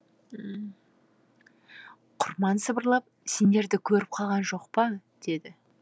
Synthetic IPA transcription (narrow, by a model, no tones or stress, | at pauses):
ə | qʰʊɾmɑnsəbəɾlˠɑp̚se̞nd̪e̞ɾd̪ɪkʲʰɵɾɪp̚qʰɑlˠʁɑnʒo̞qpɑd̪̥e̞d̪ɪ